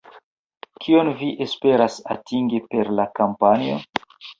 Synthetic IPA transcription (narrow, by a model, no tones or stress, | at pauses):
kʰio̞nviʔespe̞ɾasa̰tiŋɡipe̞ɾlakampanio̞̰